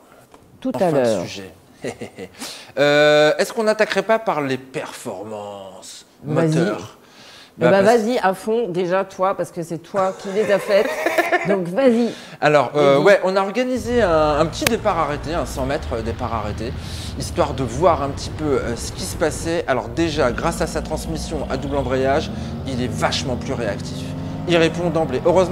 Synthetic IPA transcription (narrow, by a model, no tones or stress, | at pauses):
t̪ũalɛœ̰sʁyʒɛ | øɛskɔ̃nat̪akʁɛpapaʁlepɛʁfɔ̰ʁmɑ̃s | mɔazt̪iœʁ | babavaziʔafɔ̃d̪eʒat̪wapaʁsə̥kəsɛt̪wakʲʰilezafɛt̪d̪ɔ̃kvazialɔʁøwɛʔɔ̃naɔʁɡanizeɛ̃ːpət̪id̪epaʁaʁet̪eɛ̃sɑ̃mɛt̪χəd̪epaʁa̰ʁet̪e | ist̪waʁd̪əvwaʁɛ̃pət̪i̥pøøsə̥kʲisə̥pasɛʔalɔʁd̪eʒaɡʁasasat̪χɑ̃smisjɔ̃ʔa̰d̪ublɑ̃bʁejaʒ | ilɛvaʃmɑ̃plyʁeakt̪ʰif | iʁepɔ̃d̪ɑ̃bleʔøʁøzm̃